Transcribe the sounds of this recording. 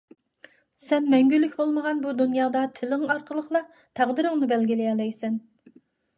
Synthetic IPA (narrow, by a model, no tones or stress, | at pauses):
sɛnmɛŋɡʲylːykʲbolˠməʁɑnbud̪unjɑːd̪ɑt̪ʰɪlɪŋɑɾqʰəlˠəqlˠɑ | t̪ʰæʁd̪ɨɾɨŋnɨbɛlɡʲilɪjɑlˠɛjsɛn